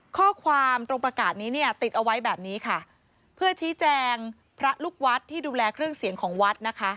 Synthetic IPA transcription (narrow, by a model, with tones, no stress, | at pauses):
kʰɔː˥˩kʰwaː˧mt̪ɾo˧ŋpɾa˧kaː˨˩t̪̚niː˦˥ni˥˩ɐt̪i˨˩t̪̚ʔa˧wa˦˥jbɛː˨˩p̚niː˦˥kʰa˥˩ | pʰɯ˥˩ət͡ɕʰiː˦˥t͡ɕɛː˧ŋ | pʰɾa˦˥luː˥˩k̚wa˦˥t̪ʰːiː˥˩duː˧lɛː˧kʰɾɯ˥˩əŋsi˩˦əŋkʰɔː˩˦ŋwa˦˥t̪̚na˦˥kʰa˦˥